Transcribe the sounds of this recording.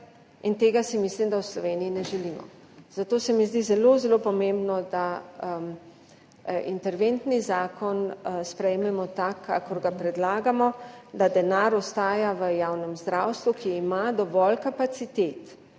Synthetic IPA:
int̪eːɡasimislimd̪awslɔʋeːniinɛʒɛliːmɔ̰ | z̥at̪oːsɛmizd̪izɛlozɛlopɔmẽmbnɔd̪a | ḭnt̪ɛɾʋent̪nizaːkɔnspɾɛjmɛmɔt̪akʰːakɔɾɡapɾɛd̪laːɡamɔd̪ad̪ɛnaɾɔst̪aːjaʋəjaːwnɛmzd̪ɾawst̪ʋukiːmad̪ɔʋɔlkapat̪sit̪eːt̪

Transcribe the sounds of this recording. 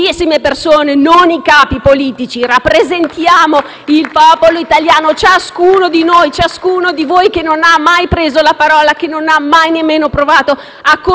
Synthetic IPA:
isːimepersoːnenonikaːpipoliːt̪it͡ʃirapːɾezent̪jaːmo | ilpɔːpoloit̪aljaːnot͡ʃaskuːnod̪inojt͡ʃaskuːnod̪ivojkenːonamːajpɾeːzolapaɾɔːlakenːonamːajnemːeːnopɾovaːt̪o | akːo

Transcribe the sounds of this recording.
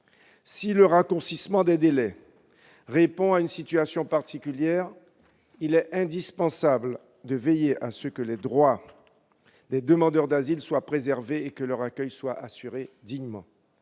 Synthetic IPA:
siləʁakuʁsismɑ̃d̪ɛd̪elɛ | ʁepɔ̃aynsit̪ɥasjɔ̃paʁt̪ikʲyljɛːʁ | ilɛɛ̃d̪ispɑ̃sabl | d̪əvejeʔasəkəlɛd̪ʁwa | d̪ɛd̪əmɑ̃d̪œʁd̪azilswapχezɛʁveekəlœʁakʲœjswaʔasyʁed̪iɲmɑ̰̃

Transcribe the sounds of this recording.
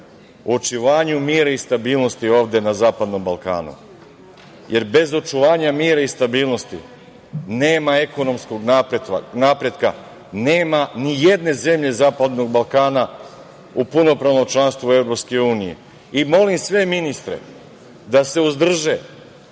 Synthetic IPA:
ot͡ʃiʋaːɲumiːɾaist̪abiːlˠno̞st̪io̞ːʋd̪e̞nazaːpad̪no̞mbalˠka̰ːnṵ | je̞ɾbe̞zo̞t͡ʃuʋaːɲamiːɾaist̪abiːlˠno̞st̪ḭ | ne̞ːmaeko̞no̞msko̞ɡnap̪naːpɾe̞d̪ka | neːmanije̞d̪ne̞ze̞mʎe̞zaːpad̪no̞ɡ̚balˠkaːna | upuno̞pɾaʋnomt͡ʃlˠanst̪vue̞vɾo̞pske̞uːnijḛ | imo̞limsʋe̞minist̪ɾḛ | d̪ase̞uzd̪r̩ʒe

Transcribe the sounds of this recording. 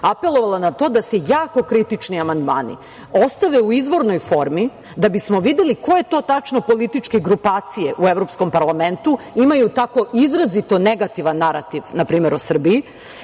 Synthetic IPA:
ape̞lˠo̞ʋalanat̪o̞ːd̪asejaːko̞kɾit̪it͡ʃniamand̪maːnḭ | o̞st̪aʋe̞uizʋo̞ɾno̞jfo̞ɾmi | d̪abismo̞ʋid̪elikoje̞t̪o̞ːt̪at͡ʃno̞po̞lit̪it͡ʃkeɡɾupaːt̪sije̞ʔueʋɾo̞psko̞mpaɾlˠame̞nt̪uimajut̪ako̞ʔizɾazit̪o̞ne̞ɡat̪iʋanːaɾa̰t̪iʋnapɾiːme̞ɾo̞sr̩biː

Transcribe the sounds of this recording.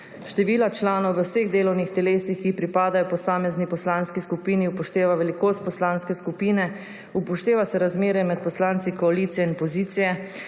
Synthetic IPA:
ʃt̪ɛʋiːlat͡ʃlaːnɔwʋəwseɣd̪eːlɔwnixt̪ɛleːsixkipɾipaːd̪ajɔpɔsaːmɛznipɔslaːnskiskupiːniupɔʃt̪eːʋaʋɛlikoːst̪̚pɔslaːnskɛskupiːnɛ | upɔʃt̪eːʋasɛɾazmeːɾjɛmɛt̪̚pɔslaːnt̪sikɔalit̪sijɛinpɔziːt̪sijɛ

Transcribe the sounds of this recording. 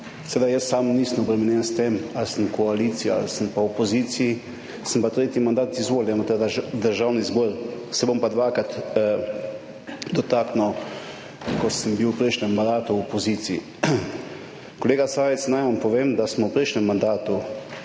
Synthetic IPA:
sɛʋeːd̪ajəsːamnisəmɔbɾɛmɛnjɛnst̪emalsəmkɔalit̪siaa̰lsəmpawɔpoziːt̪sii | səmpat̪ɾeːt̪jimand̪aːt̪izʋoːljamɔt̪ɛd̪d̪əɾʒawnizbɔɾsɛbompad̪ʋakɾat̪ | d̪ɔt̪aːkno | kɔsəmbiwpɾɛjʃnɛmːand̪aːt̪uɔpoziːt̪sii | kɔleːɡasaːʋɛt̪snajʋampɔʋeːmd̪asmɔwpɾɛjʃnɛmːand̪aːt̪u

